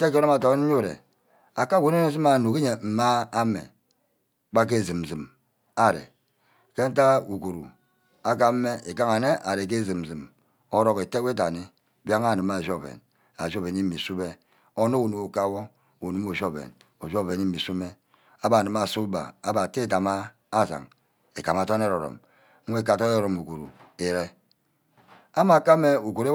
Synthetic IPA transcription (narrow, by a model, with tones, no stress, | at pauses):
te˦ke˦ɾo˦a˨to˨˦n̩˦u˦˨ɾḛ˨ | a˨ka˦˨ɡʷu˦ne˦ne˦si˦ma˨nu˨ke˦ɲe˨m̩˨ma˦a˦mḛ˨ | k͡pa˦k̬e˦˨zɨ˨m̩˨zi˨m | a˦˨ɾḛ˨ | ke˦n̩˦ta˦u˨ku˨ɾṵ˨ | a˦k̬a˦m̩˦me˦e˨ka˦ŋa˨ne˦ʔa˨ɾe˨k̬e˦zi˨m̩˨zɨ˨m | o˦ɾo˦ke˨te˦we˦t̬a˨ni˦ | bja˦ŋa˦˨nɨ˨ma˨zo˦˨vḛ˨n | a˨ʒo˦˨be˨ni˦i˨su˦be˦ | o˦no˦u˨nu˨mo˨ka˦wo˦ | u˨nu˦mo˨ʒo˦˨bḛ˨n | o˨ʒo˦˨ve˨ni˦mi˨su˦me˦ | a˦ba˨nɨ˨ma˨su˦ba̰˨a˦ba˨te˦˨ta˨maː˦ | za̰˨ŋ | e˨ka˨m˨a˨to˦n˦e˦ɾo˨ɾo̰˨m̩˦ | we˦˨ka˨to˦e˦ɾo˨mu˨ku˨ɾṵ˨e˨ɾe˦ | a˦ma˨ka˦me˦u˨ku˨ɾe˦